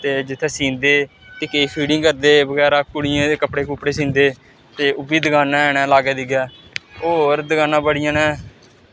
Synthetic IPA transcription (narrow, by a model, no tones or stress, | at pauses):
t̪eːd͡ʒɪt̪ʰːeːsiːnd̪eː | t̪eːkeːpʰiːɽɪ̃ŋɡkəɾd̪eːbəɡɛːɾaːkʊɽɪjãːekəpɽeːkʊpɽeːsiːnd̪eː | t̪eːʔʊbiːd̪əɡaːnãːɛnɛːlaːɡeːd̪iɡɛːoːɾd̪əɡaːnãːbəɽɪjãːnɛ̃ː